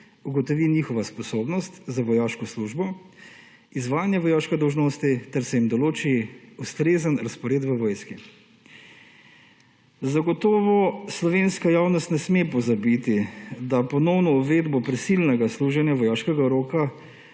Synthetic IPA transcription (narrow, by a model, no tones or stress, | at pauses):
uɡɔt̪ɔʋiniːxɔʋaspɔsoːbnɔst̪zaʋɔjaːʃkɔsluʒbɔ | izʋaːjanjɛʋɔjaʃkɛd̪ɔwʒnoːst̪it̪ɛɾsɛjimd̪ɔloːt͡ʃiust̪ɾeːzənɾaspɔɾeːt̪ʋəʋɔjski | zaɡɔt̪ɔːʋɔslɔʋenskajawnɔst̪nɛsmepɔzabit̪id̪apɔnɔwnɔuʋed̪bɔpɾɛsilnɛɡasluʒɛnjaʋɔjaʃkɛɡaɾoːka